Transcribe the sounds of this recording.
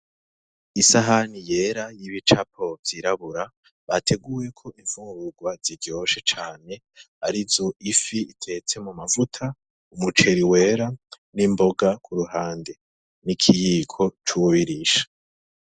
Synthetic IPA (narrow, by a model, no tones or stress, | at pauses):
isaɦanije̞ɾajiβit͡ʃapʰo̞vz̥iɾaβuɾa | βatʰe̞ɡuːje̞kʰo̞iɱv̥uːŋɾuɡwaz̥iɟo̞ʃe̞t͡ʃaːne̞ | aɾizoʔifiitʰe̞t͡se̞mumavutʰa | umut͡ʃe̞ɾiwe̞ːɾa | nimbo̞ɡakʰuɾuɦaːnde | nikʰijiːkʰo̞t͡ʃuβiɾiʃḁ